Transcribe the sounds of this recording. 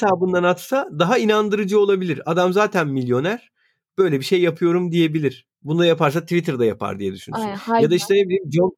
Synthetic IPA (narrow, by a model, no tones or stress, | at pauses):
saːbɯnd̪anat̪sad̪aɦainand̪ɯɾɯd͡ʒɯo̞lˠabilʲiɾad̪amzaːt̪ʰænmilʲjo̞næɾ̥ | b̥ø̞jlʲɛbiʃe̞jːapʰɯjo̞ɾumd̪ije̞bilʲiɾ̥ | bund̪ajapaɾs̬at̪ʰvit̪ʰɾd̪ajapʰa̰ɾd̪ijɛd̪yʃynsynjad̪aiʃt̪ʰɛnebilʲiːmd͡ʒon